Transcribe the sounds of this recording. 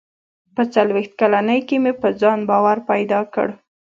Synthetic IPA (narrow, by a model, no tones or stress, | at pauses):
pət͡salwext̪̚kalanəjkemepəd͡zɑnbɑwaɾpajd̪ɑkə̰ɽ